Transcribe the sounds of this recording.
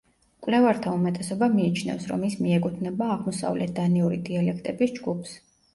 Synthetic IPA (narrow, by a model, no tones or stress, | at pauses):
kʼwlɛvaɾt̪ʰaumɛt̪ʼɛsɔbamiːt͡ʃʰnɛ̰fsɾɔ̰mismiɛkʼut̪ʰnɛbaːʁmɔsa̰vlʔɛ̰t̪̚ʰd̪aniuɾḭd̪ialɛkʰt̪ʼɛbisd͡ʒɡupʰs